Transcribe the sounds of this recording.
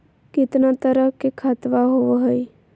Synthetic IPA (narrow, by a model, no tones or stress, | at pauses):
kɪt̪nat̪əɾəɦkekʰat̪ʋaɦoʋoɦəj